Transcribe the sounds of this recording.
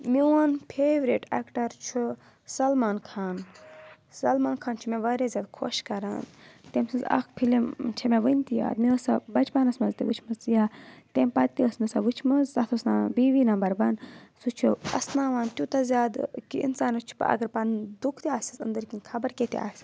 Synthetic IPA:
miwaːnpʰeːʋɾiʈḛkʈɐɾt͡ʃʰu | sɐlmaːnkʰaːn | sɐlmaːnkʰaːnt͡ʃʰumẽʋɐɾezʲjaːd̪kʰoʃkɐɾa̰ːnt̪emsɨzɐ̰kpʰilimt͡ʃʰemẽʋɨnʲt̪ija̰ːd̪miəsabɐt͡ʃpanɐsmɐzt̪ḭʋut͡ʃʰmɐzijaːt̪empɐt̪t̪iəsmɐsaʋut͡ʃʰmɨzzɐt̪ʰosnaːbiːʋiːnɐmbɐɾbɐnsut͡ʃʰuɐ̰snaːʋaːnt̪ʲut̪azʲjaːd̪kiḭnsaːnɐt͡ʃʰu̥pɐ̰ɡɐɾpɐnd̪ukʰt̪iaːsisɨ̰nd̪əɾkinkʰɐbɐɾkeːt̪ḭa̰ːs

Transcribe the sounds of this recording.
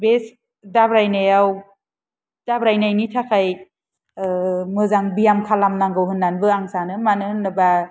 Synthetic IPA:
bes | dabɾajnajaw | d̥abɾajnajnitʰakʰaj | mɯzaŋbijamkʰalamnaŋɡɯwɦɯnːanbɯaŋsanɯmanɯhnːɯba

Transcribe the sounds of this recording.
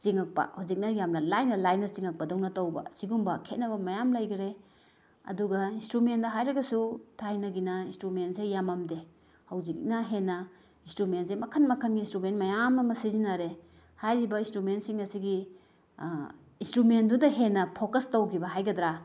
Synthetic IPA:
siŋɐk̚pɐ̰hawzik̚nɐjamnɐlajnɐlajnɐt͡ʃiŋɐk̚pɐdownɐtowbɐ̰siɡumbɐkʰet̚nɐβɐmɐjamlajɡɐɾe | ɐ̰duɡɐinstɾumendɐɦajɾɐɡɐsutʰajnɐɡinɐinstɾumensejamamde | hɐwzik̚nɐɦenːɐ | instɾumentsemɐkʰɐnmɐkʰɐnɡiinstɾumentmɐjamɐmɐsizinaɾe | hajɾibɐinstɾumentsiŋɐsiɡi | instɾumendudɐɦenːɐpʰokɐstowkʰibɐɦajɡɐdɾa

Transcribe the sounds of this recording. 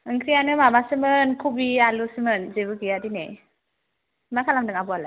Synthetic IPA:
ɯŋkʰɾijanɯmamasɯmɯnkʰubialusɯmɯnzebɯɡijadinḛ | makʰalamdɯŋabuala

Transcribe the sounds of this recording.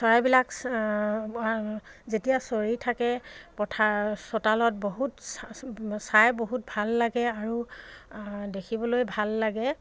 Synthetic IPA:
sɔjbilak | zetijasoɹitʰakɛpɔtʰasotalɔt̚boɦutssajboɦut̚bʱalːaɡɛaɹu | dekʰibɔlojbʱalːaɡɛ

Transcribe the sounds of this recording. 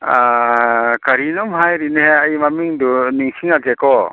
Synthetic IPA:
a | kaɾinɔmɦajɾinɦeajmamiŋduniŋsiŋaɡekɔ

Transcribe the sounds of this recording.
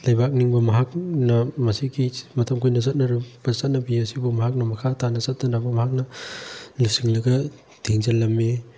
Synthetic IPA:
lajbak̚niŋbɐmɐɦak̚nɐmɐsiɡimɐtʰɐmkʰujnɐzɐt̚nɐɾub̥ɐzɐt̚nɐbiasibumɐɦak̚nɐmɐkʰatʰanɐzɐt̚nɐnabɐmɐɦak̚nɐ | lisiŋlɐɡɐ | tʰiŋzalɐmːi

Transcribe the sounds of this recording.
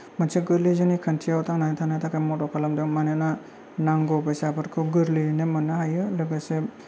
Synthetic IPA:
mɯnsʰeɡɯɾlizɯnikʰantʰiawtʰaŋnatʰanajtʰakʰajmɔtɔkʰalamdɯmanena | naŋɡɔbɯsapʰɯɾkʰɯɡɯɾlinemɯnahajɯlɯɡase

